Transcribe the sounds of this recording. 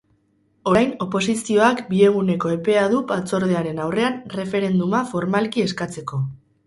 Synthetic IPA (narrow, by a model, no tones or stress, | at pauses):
o̞ɾajno̞po̞s̬isio̞akbie̞ɣ̞une̞ko̞e̞pe̞aðupat͡so̞ɾð̞e̞aɾe̞nawre̞anre̞fe̞ɾe̞nd̪umafo̞ɾmalkie̞skat͡se̞ko̞